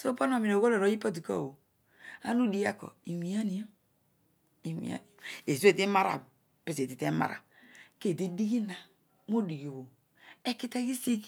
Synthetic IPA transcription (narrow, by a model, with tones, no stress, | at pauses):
so˦po˦n˦o˨mi˨no˨ɡo˦lo˨ɾo˨˦ji˦po˦di˨ko̰˦˨wo˨ | a̰˦nu˦di˨ja˦ko̰˨i˨wi˨˦a˦ni˦jo˦ | i˨wḭ˨a̰˦ni˨e˨zu˦e˨te˦ma˦ɾa̰˨ | pi˨se˨ti˨te˦ma̰˨ɾa̰˨ | ke˦˨de˦di˦ɡi˦na˨ | mo˦di˨ɡo˨wo˨ | e˦ki˦te˦ɡi˦si˦k